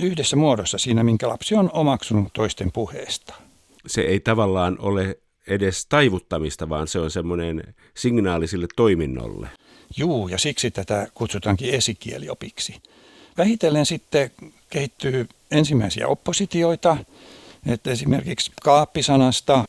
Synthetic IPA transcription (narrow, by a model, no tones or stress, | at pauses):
yhdesːæmuodosːɑsiːnæmiŋkælɑ̰psionomɑksunut̪oist̪empuhḛːst̪ɑ̥ | sḛeit̪ɑʋɑlːɑːnole | edest̪ɑiʋut̪ːɑmist̪ɑʋɑːnseonsemːonen | siŋnɑːlisilːet̪toiminːo̰lːḛ | juːjɑsiksit̪æt̪ækut̪sut̪ɑŋkiesikielio̰piksi̥ | ʋæhit̪elːensit̪ːekehit̪ːyː | ensimːæisḭæ̰opːosit̪ioit̪ɑ | et̪esimḛrkikskɑːpːisɑnɑst̪ɑ